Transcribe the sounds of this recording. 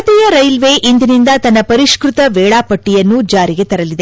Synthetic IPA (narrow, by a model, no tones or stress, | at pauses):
t̪ɛjɐɾɐjlʋeʔind̪inind̪ɐt̪ɐnːɐpɐɾiʂkɾut̪ɐʋɛːɭaːpɐʈːijɐnːud͡ʒaːɾiɡe̞t̪ɐɾɐlid̪e